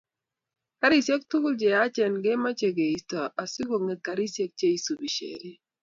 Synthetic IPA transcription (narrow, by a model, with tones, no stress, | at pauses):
ka˦ɾi˦˨sje˦k̚tu˦ku˦ld͡ʒe˨a˦t͡ʃɛ˨nɡe˦ma˦t͡ʃe˨ɡe˨i˨stɔ˨a˨si˦ɡo˨ŋe˨ka˨ɾi˦sje˦k̚t͡ʃe˦i˨su˨bi˨ʃḛ˨ɾi˦